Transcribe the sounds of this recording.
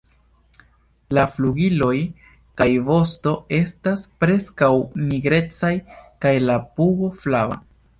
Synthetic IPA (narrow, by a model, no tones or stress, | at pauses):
lafluɡilo̞j | kajvo̞sto̞e̞staspɾe̞skawmiɡɾe̞t͡sajkajlapuɡo̞flava̰